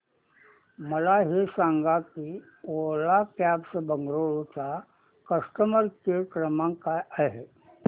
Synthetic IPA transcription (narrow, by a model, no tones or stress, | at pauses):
məlaɦisãːŋɡaki | oːlakjaːbsebəŋɡɾoːɭt͡ʃa | kəsʈəməɾkekɾəmãkaəɦɛ